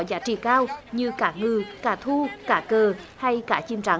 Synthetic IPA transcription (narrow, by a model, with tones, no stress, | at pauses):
zaː˨˦˥t͡ɕḭ˧˨kaː˧wɲɨ˧kaː˧˥ŋɨ˧˩kaː˧˩t̪ʰu˧kaː˧˥˩kəː˨˩ha˧jkaː˧˥t͡ɕi˧˩mt͡ɕa˨˦